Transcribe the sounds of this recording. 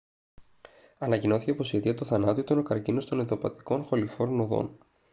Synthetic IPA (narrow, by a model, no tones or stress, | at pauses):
ɐnɐcino̞θi̥cepo̞siet̪iɐt̪oθɐnɐt̪iit̪onokɐɾcinost̪o̞neðopɐt̪i̥ko̞nxo̞lifo̞ɾnoðo̰n